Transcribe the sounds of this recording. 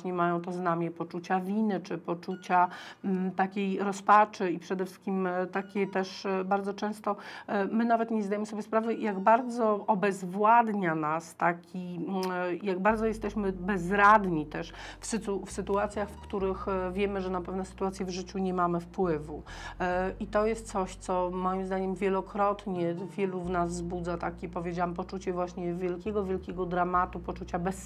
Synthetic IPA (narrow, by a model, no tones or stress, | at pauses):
ɲɛmajɔ̃w̃t̪ɔznamʲjipɔt͡ʂut͡ɕavʲinɘt͡ʂɘpɔt͡ʂut͡ɕa | t̪akʲejɾɔspat͡ʂɘipʂɛd̪ɛfʂɘ̥skʲimt̪akʲɛt̪ɛʂbaɾd̪ɔt͡ʂɛ̃w̃st̪ɔmɘnavɛt̪ɲɛzd̪ajɛmɘsɔbʲjɛspɾavɛjaɡbaɾd̪zɔɔbɛzvwad̪ɲanast̪akʲi | jaɡbaɾd̪ɔjɛst̪ɛɕmɘbɛzɾad̪ɲit̪ɛʂ | fsɘufsɘt̪uat̪sʲjaxfkt̪uɾɘxvʲjɛmɘʐɛnapɛvnɛsɘ̥t̪uat̪sʲjɛvʐɘt͡ɕuɲɛmamɘfpwɘvu | it̪ɔjɛst̪̚t̪sɔɕt̪sɔmɔjimzd̪aɲɛmvʲjɛlɔkɾɔt̪ɲɛvʲjɛluvnazːbud̪zat̪akʲɛpɔvʲjed͡ʑawampɔt͡ʂut͡ɕɛvwaɕɲɛvʲjɛlkʲɛɡɔvʲjɛlkʲɛɡɔd̪ɾamat̪upɔt͡ʂut͡ɕabɛs